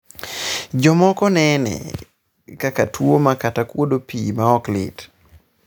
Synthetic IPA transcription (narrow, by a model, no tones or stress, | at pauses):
d͡ʒɔmɔkɔnɛnɛ̰ | kakatwomakatakwodopiːmaɔklɪ̰t